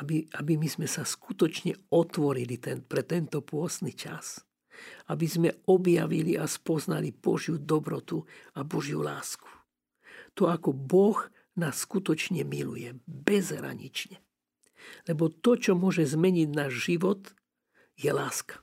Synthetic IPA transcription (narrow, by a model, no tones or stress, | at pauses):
abiabimizmɛsaskut̪ɔt͡ʃɲɛɔt̪ʋɔɾilit̪ɛpɾɛt̪ɛnt̪ɔpʊɔst̪nit͡ʃa̰s | abizmɛɔbja̰ʋiliʔaspɔzna̰lib̥ɔ̰ʒjud̪ɔbɾɔt̪uabɔʒjṵlaːsku̥ | t̪ɔakɔbɔɣ | nasːkut̪ɔt͡ʃɲɛmilṵjɛbɛzɦɾa̰ɲḭt͡ʃɲɛ | lɛbɔt̪ɔt͡ʃɔmʊɔʒɛzmɛɲiɟnaːʒʒiʋɔt̪ | jɛlaːskḁ